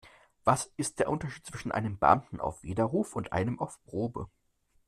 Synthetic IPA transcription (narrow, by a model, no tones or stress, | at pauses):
v̥asɪst̚d̥eːɐʔʊntɐʃiːt̚t͡sv̥ɪʃn̩ʔa̰ɪnəmbəʔa̰mtn̩a̰ʊfv̥eːdɐʁuːfʊntʔa̰ɪnəmaʊfpʁ̥oːbə̰